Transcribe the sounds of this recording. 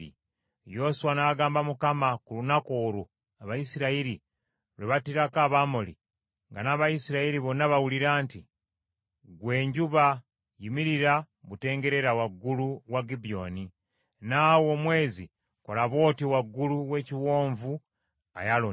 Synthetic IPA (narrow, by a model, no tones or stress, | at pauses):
ḭ | jo̞suwanaɡaːmbamukamakulunako̞ːɾu | aβajisiɾaiɾi | ɾiβatiɾakaːβamoli | ŋɡanaːβajisiɾaiɾiβonaβawuliɾaːnti | ɡwe̞ːɲɟuβa | jimiɾiɾa | βute̞ːŋɡe̞ɾe̞ɾawaɡːuluwaɡibio̞̰ni | naːwo̞mwe̞ːzi | kolaβo̞ːtiwaɡːuluwe̞ciwo̞ːɱvu | a̰jalo